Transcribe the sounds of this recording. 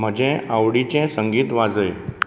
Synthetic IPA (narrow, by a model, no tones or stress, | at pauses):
m̤əd͡ʑẽawɽit͡ɕɛ̃səŋɡiːt̪ʋad͡zəj